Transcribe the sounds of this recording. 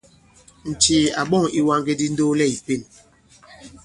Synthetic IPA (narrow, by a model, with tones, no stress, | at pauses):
n̩˨t͡ʃi˨a˨ɓɔ˦˨ŋi˦wa˦ŋɡe˦di˦n̩˦do˦lɛ˦i˨pe˦˨n